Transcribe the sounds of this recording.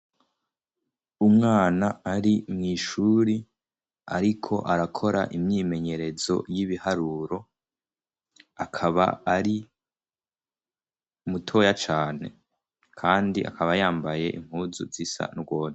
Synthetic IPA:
umŋaːnaːɾimŋiːʃuːɾi | a̰ɾikʰo̞̰ʔaɾakʰo̞ɾa̰ʔimɲiːme̞ɲe̞ɾe̞zo̞̰jiβihaɾuːɾo̞ | akʰaβa̰ːɾi | mutʰo̞jat͡ʃaːne̞̰ | kʰaːndiʔa̰kaβajaːmbaje̞̰ʔḭm̥huːzṵzisa̰nɡo̞ːne

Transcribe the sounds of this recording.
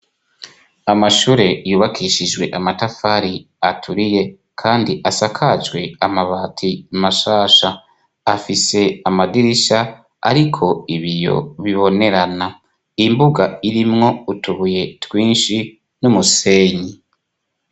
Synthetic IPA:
amaʃuːɾe̞juːβakʰiʃid͡ʒwe̞ʔamatafaɾi | atʰuɾije̞ | kʰaːndiʔasakʰad͡ʒwe̞amaβaːtʰimaʃaːʃa | afise̞amadiɾiʃa | a̰ɾikʰo̞iβijo̞̰βiβo̞ne̞ɾana | imbuɡaiɾimŋo̞utuβuje̞twiːnʃi | numuse̞ːɲi

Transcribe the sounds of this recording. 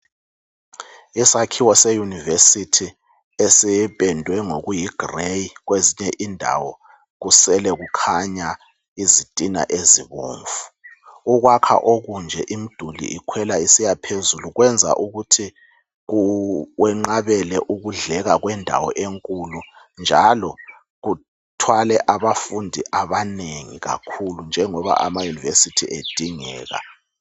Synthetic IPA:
isakʰiwɔsejunivesitʰi | esipɛndʱwɛŋoɣujiɡ̥rejiɣweziɲɛʔindʱa̰wɔ | ɣusɛlɛɣukʰaɲa | izid̥ʼʱina̰ʔeziβo̰ːɱvu̥ | uɣ̬wakʰa̰ʔoɣund͡ʒʱɛʔim̩d̥ʱulḭikʰwɛlaisijapʰezuluɣwɛnd͡zʱa̰ʔuɣutʰi | ɣuwɛŋ͡ǃaβɛlɛʔuɣuɮɛɣaɣwɛndʱa̰wɔ̰ʔeŋkʼulu | nd͡ʒʱalɔ | ɣu | tʰwalɛʔaβafundʱiʔaβaneŋḭɣa̰kʰulund͡ʒʱɛŋɔβa̰ʔamajunivesitʰiʔed̥ʱiŋɛ̰ːɣa̰

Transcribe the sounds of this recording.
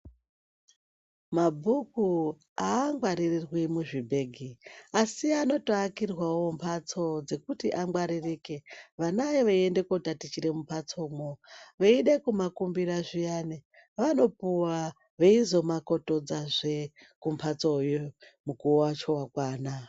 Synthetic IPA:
mabʱuku | aŋɡwaɾirirwimuʐibʱe̞ːɡʱiasiano̞toakirwawompʰat͡so̞d͡ze̞kutiʔaŋɡwaɾirikeʋanajeʋeiende̞kotatit͡ʃiɾemumpʰat͡soːmoʋeiɗekumakumbiraʐijani | ʋano̞puwa | ʋeizo̞mako̞to̞d͡zaʐe | kumpʰat͡sojomukuowat͡ʃo̞wakwaːna

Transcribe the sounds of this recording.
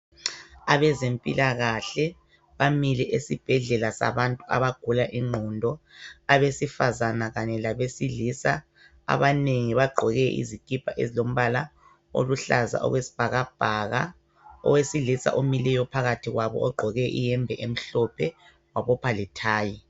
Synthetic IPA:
aβɛzempʼḭlaɣaɬɛ | βamilɛʔesib̥ʱɛɮɛlasa̰βantʼua̰βaɡ̥ʱulaʔiŋ͡ǃʱɔndʱɔaβesifazanaɣaɲɛlaβesilisa | a̰βaneŋiβaɡ͡ǃʱɔɣɛʔḭzikʼipʰaʔḛzilom̩βala | o̰luɬaza̰ʔɔ̰ɣwesi̥b̥ʱaɣab̥ʱaɣa | ɔ̰wesiɮisa̰ʔomilɛjɔpʰaɣatʰiɣwaβɔ̰ɔɡ͡ǃʱɔɣɛʔijɛmbʱɛʔem̩ɬɔpʰɛ | waβɔpʰalitʰaːji

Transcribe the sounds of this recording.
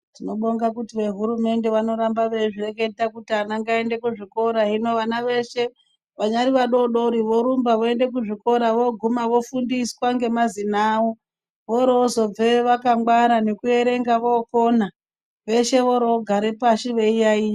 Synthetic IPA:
tino̞ɓoŋɡakutiʋe̞ɦuɾume̞nde̞ʋano̞ɾambaʋeʐire̞ke̞takutianaŋɡae̞nde̞kuʐiko̞ɾaɦino̞ʋanaʋe̞ʃe̞ | ʋaɲaɾiʋaɗo̞ɗo̞ɾiʋo̞ɾumbaʋoe̞nde̞k̬uʐiko̞ɾaʋo̞ɡʱumaʋo̞fundiswaŋɡe̞mazinaːo | ʋoɾozo̞b͡veʋakaŋwaɾane̞kue̞ɾe̞ŋɡaʋo̞ko̞na | ʋe̞ʃe̞ʋoɾooɡʱaɾepaʃiʋe̞ijai

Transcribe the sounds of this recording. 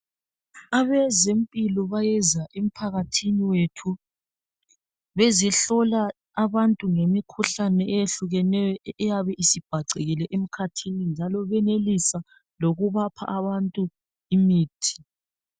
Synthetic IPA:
aβɛzempʼilɔβajɛzaʔem̩pʰaɣatʰiniwetʰu | βɛzɛɬɔlaː | βantʼuŋemikʰuɬanɛɛjeɬuɣɛnɛjɔɛjaβɛʔisib̥ʱaǀeɣilɛʔem̩kʰatʰinind͡ʒʱalɔβɛnelisa | loɣuβapʰa̰ʔaβantʼu | imiːtʰi̥

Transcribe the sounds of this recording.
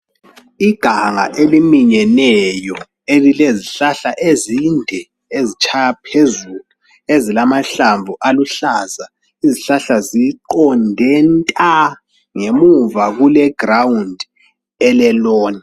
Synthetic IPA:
iɡ̥ʱaŋa̰ʔelimiɲɛnɛjɔ | elileziɬaɬaʔezindʱɛ | ezit͡ʃʰʼajapʰezulu | ezilamaɬaɱvʱuʔaluɬaza | iziɬaɬaziǃɔndʱɛntʼa | ŋemuvaɣulɛɡ̥rawundʱ | ɛlɛlɔːni

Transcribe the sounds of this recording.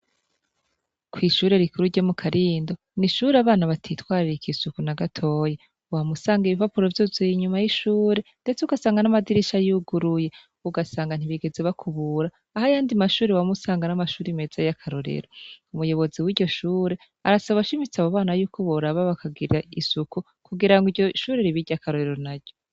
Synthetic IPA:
kwiːʃuːɾe̞ɾikuɾuɾɟomukʰaɾiːndo̞ | niʃuːɾeaβaːnaβatʰitwaːɾiɾikisukunaɡatʰo̞ːje | wamusaːŋɡiβivapuɾo̞vjoːzoiɲumajiʃuːɾe̞nde̞t͡seuɡasaːŋɡanamadiɾiʃajuɡuɾuje̞ | uɡasaːŋɡan̥iβiɡe̞zeβakʰuβuːɾaːhajaːndimaʃuːɾewamusaːŋɡanamaʃuːɾimeːzajakʰaɾo̞ɾe̞̰ɾoumujo̞βo̞ziwiːɾɟo̞ʃuːɾe̞ | aɾasaβaauʃimit͡saβoβaːnajuːkʰo̞βoɾaβaβakʰaɡiɾaisuku | kuɡiɾaŋɡiɾɟoʃuːɾeɾiβiɾɟakaɾo̞ɾe̞ɾo̞naɟo

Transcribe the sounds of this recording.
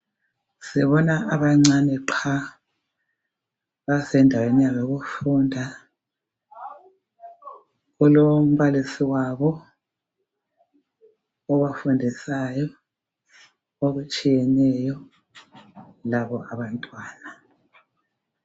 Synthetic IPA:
sɛβɔnaaβaŋ͡ǀanɛǃʰa | βasɛndʱawenijaβeɣufundʱa | ulom̩βalisiwaβɔ | ɔɣafundʱisajɔ | oɣut͡ʃʼijɛnɛjɔ | laβɔʔaβantʼwaːna

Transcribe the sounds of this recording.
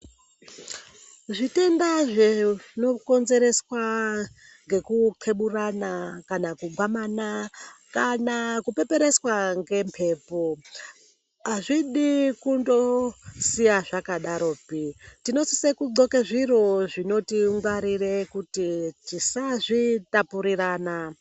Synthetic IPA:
ʐite̞ndaʐeno̞ko̞nze̞ɾe̞swa | ŋɡe̞kuǃʰe̞ɓuranakanakuɡwamaːnakanakupe̞pe̞ɾe̞swaŋɡempʰe̞ːpo | ɦaʐiɗikundo̞sijaʐakaɗaɾo̞ːpitino̞si̥sekuɡ͡ǀo̞keʐiro̞ʐino̞tiŋɡwaɾirekutitisaʐitapuɾiraːna

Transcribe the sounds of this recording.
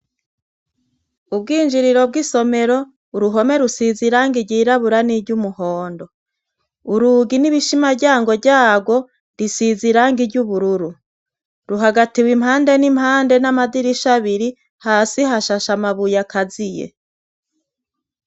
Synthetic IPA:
ub̚ɡiːnd͡ʒiɾiɾo̞b̚ɡiso̞me̞ɾo̞ | uɾuɦo̞me̞ɾusiziɾaŋɡiɾɟiːɾaβuɾaniɟumuɦoːndo̞ | uɾuɡiniβiʃimaɟaːŋɡo̞ɟaːɡwo̞ | ɾisiziɾaŋɡiɾɟuβuɾuɾu | ɾuɦaɡatiwimhaːnde̞nimhaːnde̞namadiɾiʃaβiɾi | haːsiɦaʃaʃamaβujakazijḛ

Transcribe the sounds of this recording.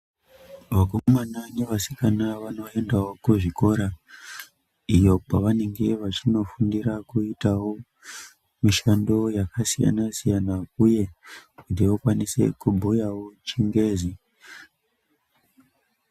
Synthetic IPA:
ʋakummananiʋasikanaʋano̞e̞ndawo̞kuʐiko̞ɾa | ijo̞paʋane̞ŋɡe̞ʋat͡ʃino̞fundiɾakuitawo̞ | miʃando̞jakasija̰nasijanauje̞kutiʋokwanise̞̰kubʱujawo̞t͡ʃiŋɡe̞ːzi

